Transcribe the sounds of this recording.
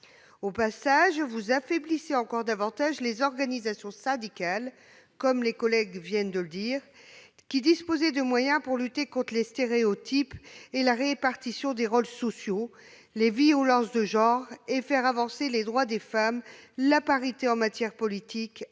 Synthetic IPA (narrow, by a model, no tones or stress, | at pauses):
opasaʒvuzafebliseɑ̃kɔʁd̪avɑ̃t̪aʒlezɔʁɡanizasjɔ̃sãd̪ikal | kɔmlekɔlɛɡvjɛnd̪ələd̪iʁ | kʲid̪ispozɛd̪əmwajɛ̃puʁlyt̪ekɔ̃t̪χlest̪eʁeot̪ʰipelaʁepaʁt̪isjɔ̃d̪eʁolsɔsjo | leviolɑ̃sd̪əʒɑ̃ʁefɛʁavɑ̃seled̪ʁwad̪efamlapaʁit̪eɑ̃mat̪jɛʁpɔlit̪ik